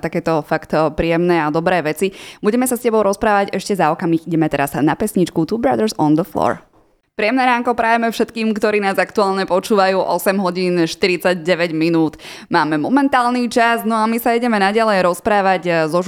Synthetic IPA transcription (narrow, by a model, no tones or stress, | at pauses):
t̪akɛːt̪ɔfakt̪pɾiːjɛmnɛːad̪ɔbɾɛːʋɛt͡sibuɟɛmɛsascɛbɔʊɾɔspɾaːʋaɟɛʃcɛzaɔkamixiɟɛmɛt̪ɛɾaz̥napɛsɲit͡ʃkut̪uːbɾa̰d̪əɾsɔnd̪əflɔ̰ːɹ | pɾijɛmnɛɾaːŋkɔpɾajɛmɛfʃɛt̪kiːmkt̪ɔɾiːnaːzakt̪uaːlɲɛpɔt͡ʃuːʋajuːʔɔsɛmɦɔɟiːnʃt̪iɾit͡saɟɟɛʋɛɟminuːt̪ | maːmɛmɔmɛnt̪aːlnit͡ʃaznɔamisaiɟɛmɛnaɟalɛjɾɔspɾaːʋaɟzɔ